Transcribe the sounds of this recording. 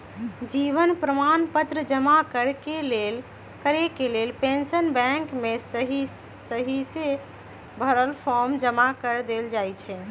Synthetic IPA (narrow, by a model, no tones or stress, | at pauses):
d͡ʒiβənpɾəmanpət̪ɾəd͡ʒəmakəɾkelel | kəɾekelelpẽnsənbɛ̃ŋkmesəɦi | səɦise | bʱəɾəlpʰɔɾmd͡ʒəmakəɾd̪eld͡ʒajt͡ʃʰɛ